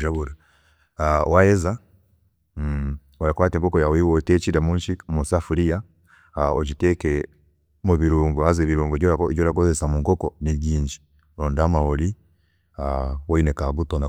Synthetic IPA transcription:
ʒaβuɾa | awajeza | oɾakwaːteːmbokojawiwotet͡ʃiɾamuɲʃimusafuɾija | oɟiteke | muβiɾuːmɡuazeβiɾuːmɡuɟoɾaɟoɾakozesamuŋkokoniɟiːɲɟi | ɾoːndamahoɾi | awoinekaɡutona

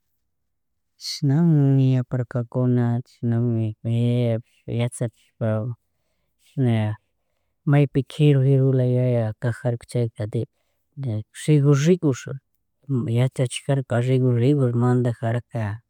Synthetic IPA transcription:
ʃnaŋjapaɾkakʊnaʃnaŋ | jat͡sat͡ʃ | pa | na | majpɪkʰɪɾʊiɾʊlajajakaxaɾkt͡ʃajkad̪i | ɾɪɡʊɾɪkʊɾ | jat͡ʃat͡ʃxaɾkaʐɪɡʊɾɪkʊɾmand̪axaɾaka

